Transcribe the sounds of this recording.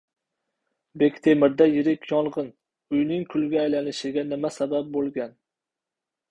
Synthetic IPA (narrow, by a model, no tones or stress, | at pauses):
be̞kʲt̪ʰe̞mɪɾd̪ajɪɾɪkʲʰjɒlˠʁɨn | ʊjnɪŋkʰʊlˠɡʲaːjlanɪʃɪɡʲanɪmasabap̚bolˠɡʲan